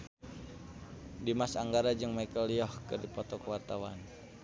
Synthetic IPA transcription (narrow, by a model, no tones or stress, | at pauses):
dimasaŋɡaɾad͡ʒɨŋmaikəlijɔhkɨrdipɔt̪ɔkəwart̪awan